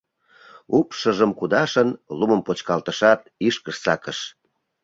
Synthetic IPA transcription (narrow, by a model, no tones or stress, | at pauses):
upʃəʒəmkud̪ɑʃənluməmpot͡ɕkɑlt̪əʃɑt̪̚iʃkəʃt͡sɑ̰kəʃ